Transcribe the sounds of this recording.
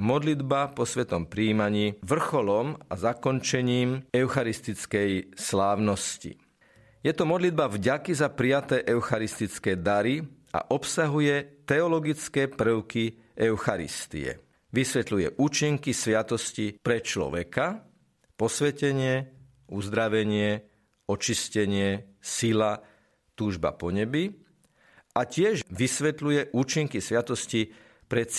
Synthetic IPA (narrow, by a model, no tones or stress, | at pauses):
mɔd̪lid̪bapɔsʋɛt̪ɔmpɾiːmaɲiːʋr̩xɔlɔmazakɔnt͡ʃɛɲiːmɛʊxaɾist̪it͡skɛjslaːʊnɔscḭ | jɛt̪ɔmɔd̪lid̪̚bavɟakizapɾijat̪ɛːʔɛʊxaɾist̪it͡skɛːd̪aɾi | a̰ʔɔpsaɦujɛt̪ɛɔlɔɡit͡skɛːpr̩ʊki | ʔɛʊxaɾḭst̪ḭɛ̰ | ʋisʋɛt̪lujɛʔuːt͡ʃiŋkisʋɪat̪ɔscipɾɛt͡ʃlɔ̰ʋɛka | pɔsʋɛcɛɲɪɛ | uzd̪ɾaʋɛɲɪɛ | ɔt͡ʃiscɛɲɪɛsila | t̪uːʒba̰pɔɲɛbi | acɪɛʒʋisʋɛt̪lujɛʔuːt͡ʃiŋkisʋɪat̪ɔsci | pɾɛ